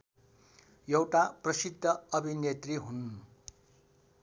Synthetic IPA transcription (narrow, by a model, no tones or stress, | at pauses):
jʌwʈaprʌsid̪ʱːʌʌbʱinet̪riɦun